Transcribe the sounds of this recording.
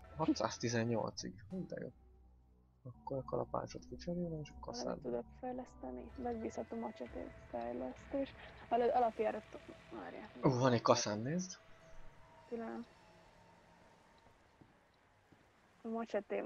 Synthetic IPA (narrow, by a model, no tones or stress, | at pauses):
hɒt̪sa̰ːst̪izɛɲːo̞̰lt̪sḭɡmind̪ɛ̰jo̰ | ɒkːoɾɛkɒlɒ̰pa̰ːt͡ʃot̪fit͡ʃɛɾonɛeːʃɒkɒsa̰ːnt̪ud̪okfɛjlɛst̪ɛnḭmɛɡbiːshɒt̪oːmɒt͡ʃɛt̪ḛːfɛjlɛst̪eːʃɒløɒlɒpjaːɾot̪ma̰ːɾja̰uːvɒneckɒsaːnːeːzd̪ | kylɛnɛm | mɒt͡ʃɛt̪eː